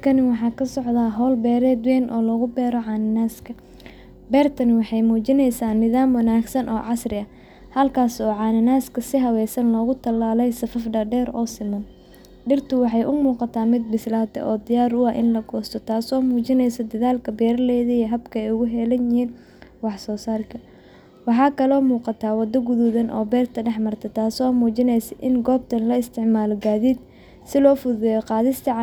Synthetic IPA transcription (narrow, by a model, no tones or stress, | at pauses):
kʰɐnɪwɑħɑːkʰɐsɔʕðaːɦɔːlbɛːɾɛːd̪wɛːnʔɔːlɔːɣʊbɛːɾɔʕɑːnɪnaːskʰɐ | bɛːrt̪ʰɐnɪwɑħɑjmuːt͡ʃɪnɛjsaːnɪðaːmwɐnaːɡsɐnʔɔːʕɑsrɪɐ | hɐlkʰaːsɔːʕɑːnɪnaːskʰɐsɪɦɐwɛːsɐnlɔːɣʊt̪ʰɐlaːlɛjsɐfɐfɖɐɖɛːɾɔːsɪmɐn | ɖɪrt̪ʰʊwɑħɑjʔʊmuːqɑt̪ʰaːmɪd̪̚bɪslaːt̪ʰɛ̰ʔɔːd̪ɪjaːɾʊɐʔɪnlɐɡɔːst̪ʰɔt̪ʰaːsɔːmuːt͡ʃɪnɛjsɔd̪ɐðaːlkʰɐbɛːɾɐlɛːðɐiɦɐbkʰɐɛjʊɣʊɦɛlɐnjɪhiːn | wɑħsɔːsaːlkʰɐ | wɑħɑːkʰɐlɔːmuːqɑt̪ʰaːwɑd̪ːɐɡʊðuðɐnʔɔ̰ːbɛːrt̪ʰɐɖɛħmɐrt̪ʰɐt̪ʰaːsɔːmuːt͡ʃɪnɛjsɐʔɪnɡɔːb̚t̪ʰɐnlɐɪst̪ʰɪʕmaːlɔɡaːðiːd̪ | sɪlɔːfʊðɛjɔqɑːðɪst̪ʰɐʕ